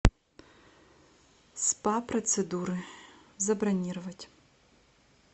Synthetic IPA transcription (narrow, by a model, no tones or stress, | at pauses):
spaprɐt̪sɨd̪uɾɨzɐbrɐnʲirɨvɐtʲ